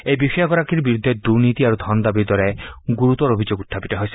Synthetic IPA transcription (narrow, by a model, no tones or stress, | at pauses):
ejbipʰijaɡɔɾakiɾbiɾud̪ʱːed̪uɾnit̪iaɾud̪ʱɔnɔd̪abid̪ɔɾeɡuɾut̪ɔɾobʱid͡ʒoɡut̪ʰːapiʈeɦɔjsi